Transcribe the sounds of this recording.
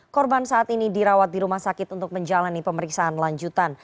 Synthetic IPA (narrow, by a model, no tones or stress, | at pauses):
kɔrbansaat̪inidiɾawat̪̚diɾumahsakɪt̪unt̪ʊk̚məɲd͡ʒalanipəməɾiksaanlaɲd͡ʒut̪an